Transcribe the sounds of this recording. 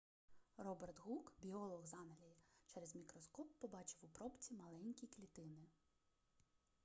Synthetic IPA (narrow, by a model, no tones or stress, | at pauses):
rɔbert̪ɣukbʲiɔlˠɔɣzɑnɐlʲɐjit͡ʃɛɾɛzmʲikɾɔskɔpːɔbɑt͡ʃɪwupɾɔpt͡sʲimɐlˠɛnʲkʲiklʲit̪ɪnɪ